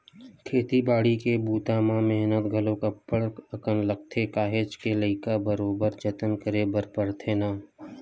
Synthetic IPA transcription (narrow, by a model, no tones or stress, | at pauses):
kʰeːt̪ibaːɽikebuːt̪aːmãmɛɦnət̪ɡʱəlõkəpːəɽəkənlək̚t̪ʰekaːɦeːt͡ʃkeləɪkabəɾoːbəɾt͡ʃət̪ənkəɾebəɾpəɽt̪ʰeːnaː